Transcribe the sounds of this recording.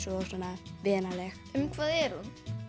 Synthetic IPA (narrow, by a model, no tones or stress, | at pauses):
sɔɔsɔnavɛːnalɛx | ɛmkʰvaːðɛɾun